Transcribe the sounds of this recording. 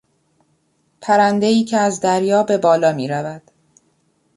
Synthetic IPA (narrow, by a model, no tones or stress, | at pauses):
pʰæɾænd̪e̞iːcʰeæzd̪æɾjɒːbe̞bɒːlɒːmiːɾævæd̪̥